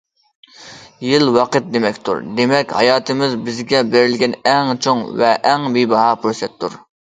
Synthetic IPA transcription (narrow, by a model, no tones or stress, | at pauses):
jɪlwɑqət̪̚d̪emɛkʲt̪ʰṵɾd̪emɛkʲhɑ̰jɑːt̪ʰɨmɪzbɪzɡʲɛbeɾɪlɡʲɛnɛŋt͡ʃʰoŋvɛʔɛŋbibɑɦɑpʰuɾsɛt̪ʰːuɾ